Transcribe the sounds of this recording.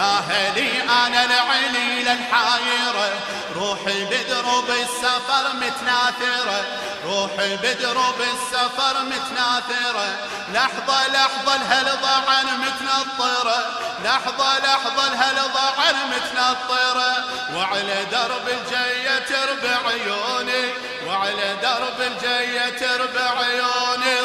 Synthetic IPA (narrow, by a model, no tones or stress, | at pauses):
aɦaliʔanalaʕɪlilalħajiːɾa | ɾˤuːħibɪd̪ɾubɪsːafɑɾˤmʊt̪naːθɪɾa | ɾˤuːħibɪd̪ɾubɪsːafɑɾˤmʊt̪naːθɪɾa | lɑħðˤɑlɑħðˤɑlɦalðˤɑʕanmɪt̪nɑðˤːɨɾˤɑ | lɑħðˤɑlɑħðˤɑlɦalðˤɑʕanmɪt̪nɑt̪ˤːɨɾˤɑ | waʕalad̪ɑɾˤbɪld͡ʒajat̪ɪɾbaʕjoːni | waʕalad̪ɑɾˤbɪld͡ʒajːat̪ɪɾbaʕjoːni